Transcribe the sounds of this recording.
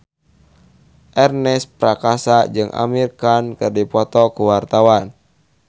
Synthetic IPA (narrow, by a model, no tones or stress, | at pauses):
ʔɛrnɛspɾakasad͡ʒɨŋʔa̰mirkankɨrdipɔt̪ɔkuwart̪awan